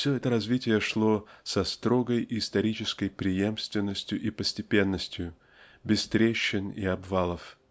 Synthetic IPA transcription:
fsʲɵɛt̪əɾɐzvʲitʲɪjəʂlˠo̞sɐst̪ɾo̞ɡəjiːst̪ɐɾʲit͡ɕɪskəjpɾʲɪje̞mst̪vʲɪnːəsʲtʲjʊʔipəsʲtʲɪpʲe̞nːəsʲtʲjʊ | bʲɪst̪ɾʲeɕːɪnḭɐbvalˠəf

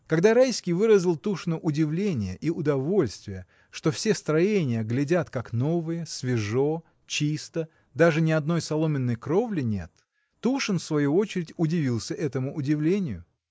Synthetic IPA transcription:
kɐɡd̪aɾajsʲkʲɪjvɨɾəzʲɪlˠt̪uʂnʊʔʊdʲɪvlʲenʲɪjəʔiʊd̪ɐvo̞lʲst̪vʲɪjə | ʂt̪o̞fsʲest̪ɾɐjenʲɪjəɡlʲɪdʲat̪kakno̞vɨjəsvʲɪʐo̞ | t͡ɕist̪ə | d̪aʐɨnʲɪɐd̪̚no̞jsɐlˠo̞mʲɪnːəjkɾo̞vlʲɪnʲe̞̰t̪ː | uʂɨnfsvɐjuo̞t͡ɕɪɾʲɪtʲʊdʲɪvʲilˠsʲəʔɛt̪əmʊʔʊdʲɪvlʲenʲɪjʊ̰

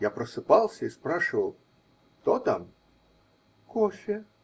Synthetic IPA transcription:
japɾɐsɨpalˠsʲɐispɾaʂɨvɐlˠ | t̪ɔt̪am | kɔʃʲɪ

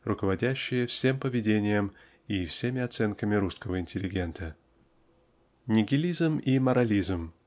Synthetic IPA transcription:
rʊkəvɐdʲæɕːɪjəfsʲe̞mpəvʲɪdʲenʲɪjəm | ifsʲemʲɪɐt̪sɛnkəmʲɪɾuskəvəɪnʲtʲɪlʲɪɡʲe̞nt̪ə | nʲɪɡʲɪlʲizmimɐɾɐlʲizm

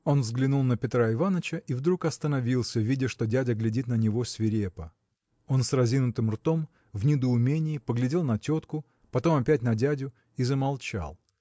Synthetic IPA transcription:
o̞nvzɡlʲɪnulˠnəpʲɪt̪ɾaɪvanət͡ɕəʔivd̪ɾukɐst̪ənɐvʲilˠsʲəvʲidʲɪʂt̪o̞dʲædʲəɡlʲɪdʲit̪nənʲɪvo̞sʲvʲɪɾʲepə | o̞nsrɐzʲinʊt̪ɨmrt̪o̞m | vnʲɪd̪əʊmʲenʲɪːpəɡlʲɪdʲe̞lˠnɐtʲo̞t̪kʊ | pɐt̪o̞mɐpʲæt̚ʲnɐdʲædʲʊ | izəmɐlˠt͡ɕa̰lˠ

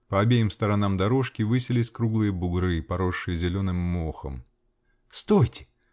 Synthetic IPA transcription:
pəɐbʲejɪmst̪əɾɐnamd̪ɐɾo̞ʂkʲɪvɨsʲɪlʲɪsʲkɾuɡlˠɨjəbʊɡɾɨpɐɾo̞ʂːɨjəzʲɪlʲo̞nɨmːoxə̰m | st̪ojtʲɪ̥

